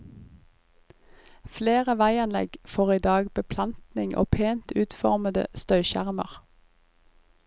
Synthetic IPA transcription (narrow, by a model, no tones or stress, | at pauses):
fleːʁəʋæɪɑnlɛ̰ɡfoːʁiːd̪ɑːɡbəpʰlɑnt̪nɪŋʔo̰ːpʰeːnt̪ʉːt̪fɔʁməd̪ə̰st̪œʏʃæ̰ʁməʁ